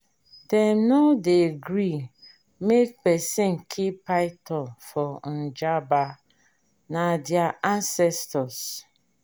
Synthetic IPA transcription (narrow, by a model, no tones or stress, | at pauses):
dɛmnodeɡɾi | mek̚pɛsɪ̃nkʰipaɪtʰɔlfɔn̩d͡ʒaba | nadjaʔansɛstɔs